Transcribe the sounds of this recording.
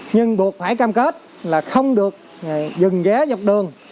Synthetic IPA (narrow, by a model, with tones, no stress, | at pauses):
ɲɨ˧ŋɓu˨˩ək̚faː˧˩jkaː˧mke˦˥t̚ | laː˨˩xə˧wŋ͡mɗɨ˨˩ək̚ː | zɨ˨˩ŋɣɛː˨˦za˨˩wk͡p̚ɗɨ˨˩əŋ